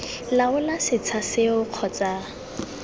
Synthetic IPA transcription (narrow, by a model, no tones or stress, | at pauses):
laʊlasɪt͡sʰasɪʊq͡χʰɔt͡sʼa